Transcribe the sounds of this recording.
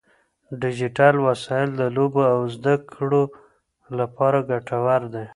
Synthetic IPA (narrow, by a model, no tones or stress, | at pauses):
ɖɪd͡ʒɪʈalwasɑɪld̪əloboawzd̪akɽo | lapɑɾaɡaʈʰawaɾd̪e